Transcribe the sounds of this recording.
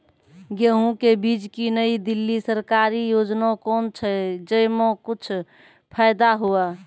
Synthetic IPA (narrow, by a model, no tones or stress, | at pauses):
ɡeɦũkebiːd͡ʒkinəid̪ilːisəɾkaɾijod͡ʒnakɔːnt͡ʃʰəd͡ʒəjmõkʊt͡ʃʰ | pʰəjd̪aɦua